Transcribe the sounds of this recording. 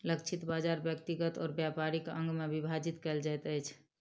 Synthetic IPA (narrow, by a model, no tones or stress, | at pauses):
ləkt͡ʃʰit̪bad͡ʒaɾbjəkt̪iɡət̪ɔːɾbjapaɾikəŋɡmebibʱad͡ʒit̪kɛld͡ʒajt̪əjt͡ʃʰ